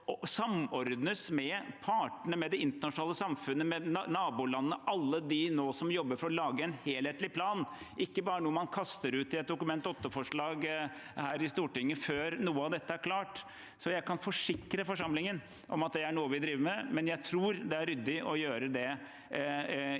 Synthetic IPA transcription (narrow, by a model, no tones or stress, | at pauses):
ɔsɑmɔɾd̪nəsmɛpʰɑːʈəɳəmɛd̪ɛɪnt̪əɳɑʂʊnɑːləsɑmfʉnːəmɛnɑːbuːlɑnːəʔɑlːəd̪ɪnoːsɔmjɔbːəɾfɔɾɔlɑːɡəɛnheːlheːt̪lɪpʰlɑːn | ʔɪkːəbɑːɾənuːəmɑnkʰɑst̪əɾʉːt̪ɪɛt̪̚d̪ʊkʉmɛnt̪ɔt̪ːəfɔʂɭɑːɡ | hæːɾɪst̪uːʈɪŋːəføːɾnuːəɑʋd̪ɛt̪ːəæɾkʰlɑːʈ | sɔjæɪkʰɑnfɔʂɪkɾəfɔʂɑmlɪŋən | ʔɔ̰mɑt̪̚d̪ɛæɳuːəʋɪd̪ɾiːʋəɾmɛmɛnjæɪt̪ʰɾuːɾd̪ɛæɾʏd̪ːɪʔɔjøːɾəd̪ɛ